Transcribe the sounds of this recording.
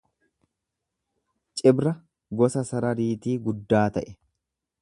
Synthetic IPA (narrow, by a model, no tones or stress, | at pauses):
t͡ʃʼɪbɾɐ | ɡɔsɐsɐɾɐɾiːt̪iːɡʊd̪ːaːt̪ɐʔɛ̥